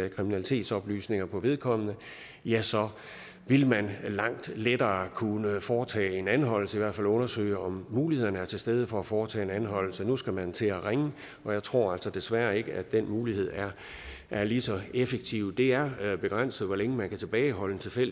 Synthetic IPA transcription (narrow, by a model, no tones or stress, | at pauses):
kʰʁiminælit͡sʰe̝̰ːd̥sɒ̽b̥ly̰ːsne̝ŋɐpʰɒ̽ʋe̝ðˠkʰɒ̽m̰ənə | jæsɒ̽ | ʋe̝lmænlɑ̈ŋ̰d̥led̥ɐːkʰunəfɒːt͡sʰɛ̰ːe̝nænɦɒ̽l̰l̩səiʋæɐ̰d̥fælɔ̽nɐsø̰ːɪɒ̽mːuːlihe̝ð̰ˠɐnəæɐt͡sʰe̝lsd̥eð̞ˠəfɒ̽æfɒːt͡sʰɛ̰ːe̝nænɦɒ̽l̰l̩sənusɡ̥æmænt͡sʰe̝æʁeŋə | ɒ̽jɑ̈ɪt͡sʰʁo̝ɐ̰æl̰sɒd̥e̝sʋæɐe̝ɡ̥əæ̥d̥enmuːlihe̝ð̞̰ˠæɐ | ʔæɐlisɒ̽efeɡ̥̚t͡sʰiʊ̰d̥e̝æɐb̥e̝ɡ̥ʁan̰sð̩ˠʋɒleŋəmænkʰæt͡sʰe̝b̥ɛːɪɦɒ̽lən̩t͡sʰe̝lfel̰